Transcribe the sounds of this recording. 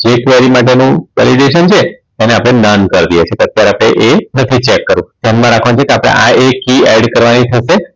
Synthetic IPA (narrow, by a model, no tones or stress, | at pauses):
d͡ʒekʋeɾimaʈenũʋɛ̰liɖeʃənt͡ʃʰe | ɛneapɽ̃enənkəɾd̪ijet͡ʃʰekeət̪jaɾapɽ̃eʔenət̪ʰit͡ʃekːəɾũt̪jãnmãɾakʰʋant͡ʃʰekeapɽ̃ḛʔaekiɛɖkəɾʋanit̪ʰəʃe